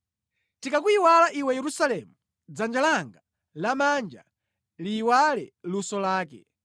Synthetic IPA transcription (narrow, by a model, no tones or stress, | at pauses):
tikakuiwalaʔiwɛjɛɾusalɛmu | d͡zand͡ʒalaŋɡa | lamand͡ʒa̰ | liːwalɛ̰lusɔlaːkɛ̰